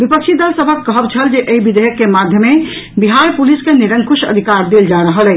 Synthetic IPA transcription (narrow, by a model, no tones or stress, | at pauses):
bipəkt͡ʃʰid̪əlsəbʱəkːəɦəbt͡ʃʰəld͡ʒeʔeibid̪eɦəkːemad̪ʱjəme | biɦaɾpuliskeniɾəŋkusə̰d̪ʱikaɾd̪eld͡ʒaɾəɦəlɛ